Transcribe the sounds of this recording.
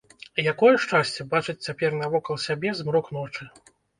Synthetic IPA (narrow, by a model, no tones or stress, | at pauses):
jakɔjɛʂt͡ʂasʲt͡sʲɛbat͡ʂɨt͡sʲt͡sʲapʲɛrnɐvɔkɐlˠsʲabʲɛzmɾɔknɔt͡ʂɨ